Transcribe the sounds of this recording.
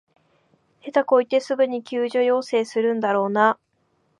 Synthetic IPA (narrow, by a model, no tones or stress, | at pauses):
he̞t̪ako̞it̪e̞sɨbɯ̟ɲ̟ikʲʰɨːʑojo̞ːse̞ːsɨɾɯ̟̃nd̪aɾo̞ːna